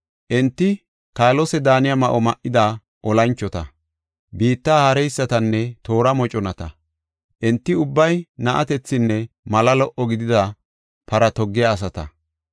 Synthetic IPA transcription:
ʔɛnt̪ːɪ | kaːlɔsɛd̪aːnɪjɐmɐʔɔmɐʔːɪd̪a | ʔɔlɐnt͡ʃːɔt̪ɐ̰ | biːt̪ːaːhɐɾɛjsːɐt̪ɐnːɛt̪o̞ːɾɐmɔt͡ʃʼɔnɐt̪ɐ̰ | ʔɛnt̪ːɪʊbːɐjnɐʔɐt̪ɛt͡sːɪnːɛ | mɐlɐlɔʔɔɡɪd̪ɪd̪ɐ | pɐɾɐt̪ɔɡːɪjaːs̬ɐt̪ɐ̰

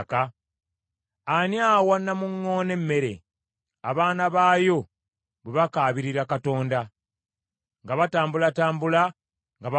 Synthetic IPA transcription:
ka | anjaːwanːamuŋːo̞ːne̞mːe̞ɾe̞̰ | a̰βaːnaβaːjo̞ | βweβakaːβiɾiɾakato̞ːnda | ŋɡaβataːmbulataːmbula | ŋɡaβa

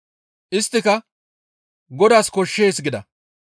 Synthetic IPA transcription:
ʔɪst̪ːɪkɐ | ɡɔd̪aːskɔʃːe̞ːsɡɪd̪ɐ

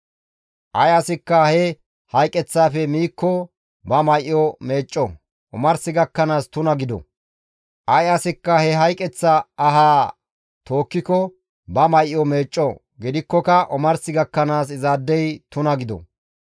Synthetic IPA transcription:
ʔɐjɐsɪkːɐhɛ | hɐjkʼːɛt͡sːaːfɛmiːkːɔ | bɐmɐjʔjɔme̞ːt͡ʃʼːɔ | ʔɔmɐɾsɪɡɐkːɐnaːst̪ʊnɐɡɪd̪ɔ̰ | ʔɐjɐsɪkːɐhɛɦɐjkʼːɛt͡sːɐɐɦaː | t̪o̞ːkːɪkɔ | bɐmɐjjɔmeːt͡ʃʼːɔ | ɡɪd̪ɪkːɔkɐʔɔmɐɾsɪɡɐkːɐnaːsɪzaːd̪ːɛjt̪ʊnɐɡɪd̪ɔ̰

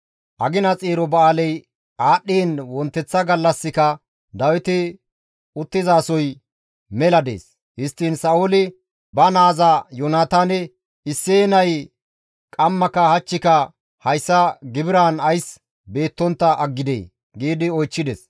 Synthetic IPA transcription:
ʔɐɡɪnɐt͡sʼeːɾɔbɐaːlɛj | aːɗːiːnwɔnt̪ːɛt͡sːɐɡɐlːɐsːɪkɐ | d̪ɐwɪt̪ɪ | ʊt̪ːɪzaːsɔj | mɛlɐd̪ḛːs | hɪst̪ːiːnsɐʊlɪ | bɐnaːzɐjɔnaːt̪aːnɛ | ɪsːeːnɐj | kʼɐmːɐkɐhɐt͡ʃːɪkɐ | hɐjsːɐɡɪbɪɾaːnɐjs | be̞ːt̪ːɔnt̪ːɐʔɐɡːɪd̪ḛː | ɡiːd̪ɪɔjt͡ʃːɪd̪ɛs

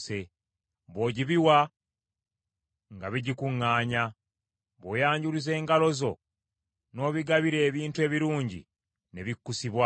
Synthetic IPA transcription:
se | βo̞ːɟiβiwa | ŋɡaβiɟikuŋːaːɲa | βo̞ːjaːɲɟuɾize̞ːŋɡalo̞zo̞ | no̞ːβiɡaβiɾe̞ːβiːntue̞ːβiɾuːɲɟḭ | ne̞βikːusiβwa

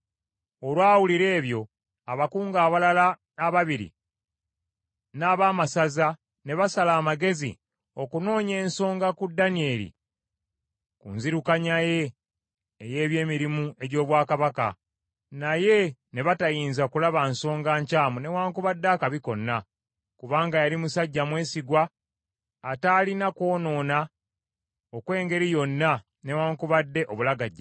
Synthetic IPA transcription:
o̞lwaːwuliɾe̞ːβjo̞ | aβakuːŋɡaːβalalanaβaβiɾḭ | naːβaːmasaza | ne̞βasalaːmaɡe̞zḭ | o̞kuno̞ːɲe̞ːnso̞ːŋɡakudːanie̞lḭ | kunziɾukaɲaje̞ː | je̞ːβje̞ːmiɾimue̞ɟo̞ːβwaːkaβaka̰ | naje̞ne̞βatajiːnzakulaβanso̞ːŋɡaːɲcaːmune̞waːŋkuβadːaːkaβiko̞nːa | kuβaːŋɡajalimusaɟːamwe̞ːsiɡwaː | taːlinako̞ːno̞ːna | okwe̞ːŋɡe̞ɾijo̞nːa | ne̞waːŋkuβadːe̞ʔo̞βulaɡaɟːa

